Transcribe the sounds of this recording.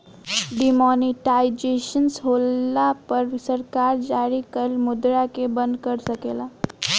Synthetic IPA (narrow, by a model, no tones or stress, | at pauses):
ɖimɔniʈaid͡ʒeʃənsɦolːapəɾsəɾkaɾd͡ʒaɾikəlmud̪ɾakebənd̪kəɾsəkela